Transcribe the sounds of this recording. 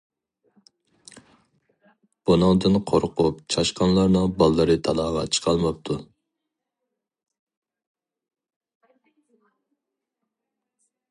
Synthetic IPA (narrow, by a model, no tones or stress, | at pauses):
b̥unɨŋd̪ɨnqʰoɾqʊp̚t͡ʃʰɑʃqɑnlˠɑɾnɨŋbɑlˠːɨɾɨt̪ʰɑlˠɑːʁɑ̰t͡ʃʰə̥qʰɑlˠmɑp̚t̪ʰu